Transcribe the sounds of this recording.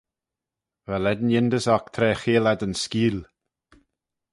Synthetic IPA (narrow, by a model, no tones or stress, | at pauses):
vɛlɛd̪njɪnd̪əsakt̪ʰɾɛːxeːlɛd̪ənskiːl